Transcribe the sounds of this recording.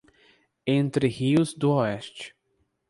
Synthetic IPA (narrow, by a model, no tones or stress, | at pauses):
ẽnt̪ɾɪhiʊzd̪ʊɔɛst͡ʃɪ̥